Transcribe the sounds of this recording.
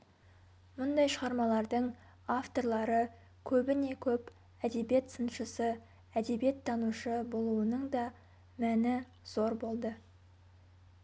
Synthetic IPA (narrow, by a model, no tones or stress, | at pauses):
mʊnd̪ɑjʃəʁɑɾmɑlˠɑɾd̪əɴ | aft̪o̞ɾlˠɑɾə | kʲʰɵbɪne̞kʲʰɵp | æd̪e̞bje̞t̪sənʃəsə | æd̪e̞bije̞t̪ʰːɑnuʃəbo̞lˠuənəɴd̪ɑ | mænɪ | z̥o̞ɾbo̞lˠd̪ə